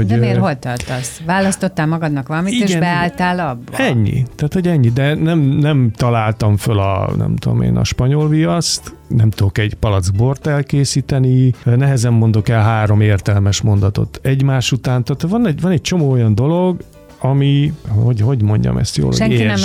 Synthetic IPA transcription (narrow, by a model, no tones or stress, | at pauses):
oɟmeːɦolt̪ɒrt̪ɒsʋaːlɒst̪o̞t̪ːaːlmɒɡɒd̪nɒkʋɒlɒmitieːʃɡɛnb̪ɛaːlt̪aːlɒbːɒ̰ɛɲːḭt̪aːt̪ho̞ɟɛɲːid̪ɛnɛmnɛmt̪ɒlaːlt̪ɒɱfølɒ̰nɛ̰mt̪ud̪o̰mḛːnɒ̰ʃpɒɲo̞lvijɒst̪ | nɛmt̪ud̪o̞kɛɟpɒlɒd̪zbo̞rt̪ɛlkeːsiːt̪ɛninɛɦɛzɛmːo̞nd̪o̞kɛlɦaːɾo̞meːrt̪ɛlmɛʃmo̞nd̪ɒt̪o̞̰t̪ɛɟmaːʃut̪aːnt̪aːt̪ovɒnɛɟvɒnɛc̚t͡ʃo̞moːojɒnd̪o̞lo̞ɡ | ɒmihoɟho̞ɟmo̞ɲɟɒ̰mʔɛ̰st̪jo̰ːl̰hoʃɛŋːinɛ